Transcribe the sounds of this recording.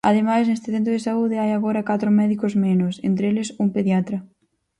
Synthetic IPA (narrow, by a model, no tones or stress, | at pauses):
ɐ̰ðemajsnest̪ɪθent̪ɾʊðɪsauðɪajaɣoɾɐkat̪ɾʊmɛðikozmenʊsḛnt̪ɾelɪsumpeðjat̪ɾɐ